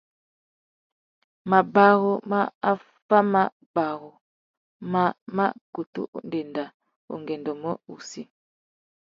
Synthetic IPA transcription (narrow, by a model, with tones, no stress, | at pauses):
ma˨ba˦ɣu˦ma˦a˦ | fa˦ma˨ | ba˨ɣu˨ | ma˦˨ma̰˦ku˨tṵ˦ʔn̩˦de˨nda˨ | o̰˨ŋɡɛ˨ndɔ˨mə˦u˨si˦